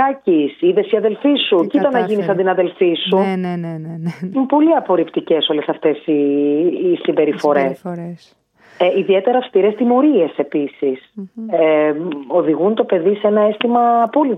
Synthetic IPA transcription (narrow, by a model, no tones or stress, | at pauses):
ɐcisiðe̞siɐðe̞lfisucit̪ɐnːɐʝinisɐnd̪inɐðe̞lfisu | inpo̞liɐpo̞ɾipt̪ice̞so̞le̞sɐft̪e̞siː | simbe̞ɾifo̞ɾe̞s | eiðie̞t̪e̞ɾɐːfst̪iɾe̞st̪imo̞ɾie̞se̞pisiseo̞ðiɣunt̪o̞pe̞ðisenɐest̪imɐːpoli